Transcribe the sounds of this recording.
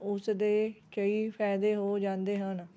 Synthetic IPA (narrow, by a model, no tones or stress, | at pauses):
ʊsd̪eːt͡ʃəiːpʰɛːd̪eːɦoːd͡ʒãːnd̪eːɦən